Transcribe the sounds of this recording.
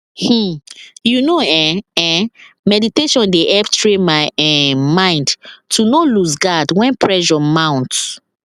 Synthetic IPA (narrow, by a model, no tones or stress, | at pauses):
h̩junoɛɛ̃mɛditeʃɔ̃ndeʔɛptɹemaɪɛmãɪ̃ndtʰunolusɡadwɛ̃npʰɹɛʒɔmãʊ̃nt